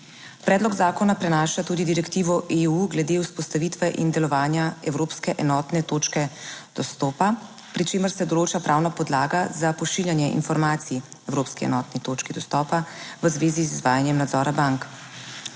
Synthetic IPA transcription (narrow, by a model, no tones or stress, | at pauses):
pɾɛːd̪lɔɡzaːkɔnapɾɛnaːʃat̪uːd̪id̪iɾɛkt̪iːʋɔʔeuɡlɛd̪euspɔst̪aʋit̪ʋɛʔind̪ɛlɔʋaːnjaɛwɾoːpskɛʔɛnɔːt̪nɛt̪oːt͡ʃkɛd̪̥ɔst̪ɔːpa | pɾit͡ʃeːməɾsɛd̪ɔloːt͡ʃapɾʔaːwnapɔd̪laːɡazapɔʃiljanjɛʔḭnfɔɾmaːt̪siiɛwɾoːpskiɛ̰nɔːt̪nit̪oːt͡ʃkid̪ɔst̪ɔːpaʋəzʋeːzizizʋaːjanjɛmnad̪zɔːɾabaŋk